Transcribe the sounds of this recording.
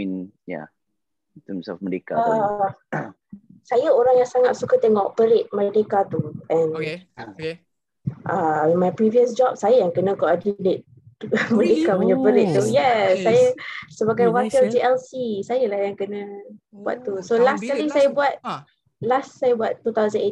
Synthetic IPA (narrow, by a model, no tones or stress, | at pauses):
in | ja̰ | nt̪əmsa̰fmədekaə | sajəoɾaŋjaŋsaŋat̪̚sukət̪eŋɔʔpəɾɪʔ̪̚mə̃dekat̪uʔɛ̃n | ʔaemãŋpɾiviəsd͡ʒɔp̚sajəjaŋkənəkɔʔadidet̪̚ | mə̃dekaməɲəpəɾɪʔ̚t̪ujɛsajəsəbaɡajwakild͡ʒiʔɛlsisajəlahjaŋkənə̃bua̰t̪t̪ːusolaskalisajəbuat̪̚ | lasːajəbuat̪ːut̪awzəne